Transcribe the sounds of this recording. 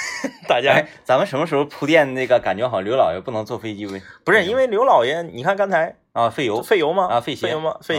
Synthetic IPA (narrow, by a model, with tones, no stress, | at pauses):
t̪a˥˩t͡ɕja˥˩t͡sa˧˥mə˨nʂə˧˥nmə˧ʂɻ̩˧˥xo˧ʊpʰu˧˥t̪jɛ˥˧nna˥˩ɡə˩ka˨˩nt͡ɕɥɛ˧˥xɑ˨˩ʊljo˧˥ʊlɑ˨˩ʊjɛ̰˧˥pu˥˩nɤ˧˥ŋt͡swɔ˥˩fe˥t͡ɕi˥˧we˥˩ɪpʂɻ̩˥˩i˥nwe˥˩ɪljo˧˥ʊlɑ˨˩ʊjɛ˧˥nni˨kʰa˥˩nkɑ˥nt͡sʰa˧˥ɪ | ə˥˧fe˥˩ɪjo˧˥ʊ˥fe˥˩ɪjo˧˥ʊmɐ˧ə˧fe˥˩ɕɛ˥˧˥o˧˥ʊmɐ̰˧fe˥˩